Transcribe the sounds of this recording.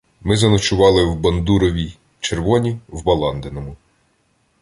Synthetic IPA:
mɪzɐnɔt͡ʃʊʋɑlˠɪwbɐnd̪uɾɔʋʲi | t͡ʃerʋɔnʲiwbɐlˠɑnd̪enɔmʊ

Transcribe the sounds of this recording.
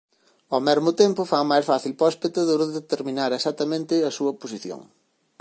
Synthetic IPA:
ɔmɛɾmʊt̪empʊfamajsfaθilpɔspet̪ɐðoɾðet̪eɾmĩnaɾesat̪ːɐmẽnt̪ɪɐsuɐposiθjo̰ŋ

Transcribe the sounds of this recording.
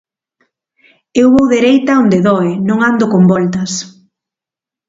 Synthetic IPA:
ewβowðeɾejt̪ɐond̪eðɔenõŋand̪okombɔlt̪ɐs

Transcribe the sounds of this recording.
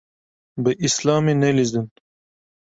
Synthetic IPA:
bəʔislɑːminelizd̪un

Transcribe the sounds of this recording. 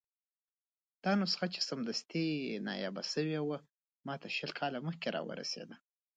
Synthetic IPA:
d̪̥ɑnʊsxat͡ʃe̥samd̪ast̪inɑ̰jɑba̰səwewə | mɑt̪aʃəlkʰɑlaməxkeɾɑ̰wə̰ɾa̰sḛd̪a

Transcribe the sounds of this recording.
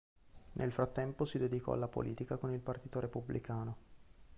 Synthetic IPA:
nʔelfɾat̪ːɛmposid̪ed̪ikɔ̰a̰lːapo̰lʔiːt̪ikakonilpart̪iːt̪oɾepublʔikaːno

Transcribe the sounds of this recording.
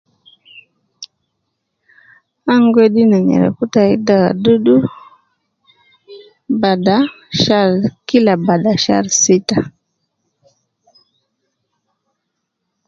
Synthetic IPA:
aŋɡweɗinaɲɛ̰ɾɛ̰kutaidaɣa̰ɗuɗu | bada | ʃaɾkilabaɗaʃa̰ɾsita

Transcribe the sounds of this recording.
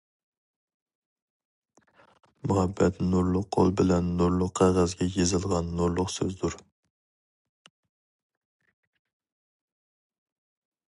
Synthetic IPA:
muhɛbːɛt̪nuɾlˠʊqʰːo̰lˠbɪlɛnːuɾlˠʊqʰːæʁæzɡʲɛjezɨlˠʁɑnːuɾlˠʊqsøzd̪uɾ

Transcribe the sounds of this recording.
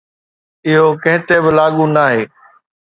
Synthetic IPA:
ɪɦokɐ̃ɦɪ̃t̪ebɪlaːɠũnaːɦeː

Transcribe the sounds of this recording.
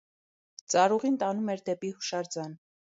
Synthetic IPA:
t͡sɑɾuʁint̪ɑnumɛɾd̪ɛpihuʃɑɾd͡zɑn

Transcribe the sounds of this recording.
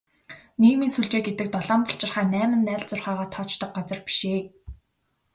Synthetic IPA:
niːmiːnsuɮt͡ɕeːɡet̪ɘ̆k̚t̪ɔɮɔːmpʊɬt͡ɕɪ̆rχæːnæːmɘ̆nːæːɮt͡sʊrχaːʁɔːt̪ʰɔːt͡ɕt̪ɞ̆k̚ɢat͡sə̆rpi̥ʃeː

